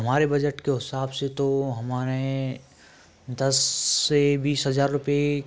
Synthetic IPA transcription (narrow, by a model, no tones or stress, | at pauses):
ɐmaːɾebɐd͡ʒəʈkeɦɪsaːbset̪oɦɐmaːɾe | d̪ɐsːebiːsɦɐzaːɾɾʊpje